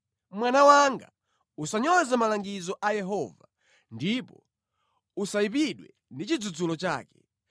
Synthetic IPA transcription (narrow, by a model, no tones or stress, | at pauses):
mwanawaŋɡa̰ | usaɲɔzɛmalaŋɡizɔʔajɛɦɔva | ndipɔ | usaip̬iɗwɛ | ndit͡ʃid͡zud͡zulɔt͡ʃa̰ːkɛ̥